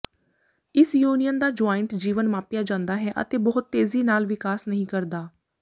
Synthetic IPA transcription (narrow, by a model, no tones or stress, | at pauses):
ɪsjuːnɪjənd̪aːd͡ʒaːɪɳʈd͡ʒiːʋənmaːpɪjaːd͡ʒãːnd̪aːɦɛːʔə̰t̪eːbəɦʊt̪ːeːziːnaːlʋɪkaːsnəɦĩːkəɾd̪aː